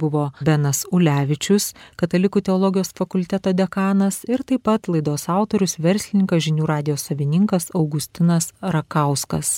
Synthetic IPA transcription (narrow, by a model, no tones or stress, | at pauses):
bʊʋoːbʲɛnɐsʊlʲæːʋʲɪt͡ʃʲʊskɐt̪ɐlʲɪkuːt̪ʲɛɔlˠɔɡʲɪjoːsfɐkʊlʲt̪ʲɛt̪oːd̪ʲɛkɑːnɐsɪɾt̪ɐɪpɐt̪lˠɐɪd̪oːsɑˑʊt̪oɾʲʊsʋʲɛɾʲsʲlʲɪnʲɪŋkɐsʒʲɪnʲuːɾɑːd̪ʲɪjoːssɐʋʲɪnʲɪŋkɐsɐʊɡʊsʲt̪ʲɪnɐsɾɐkɐˑʊskɐs